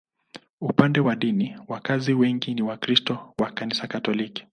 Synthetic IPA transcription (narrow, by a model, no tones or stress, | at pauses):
upandɛwaɗiniwakaziwɛŋɡiniwakɾistɔwakanisakatɔliki̥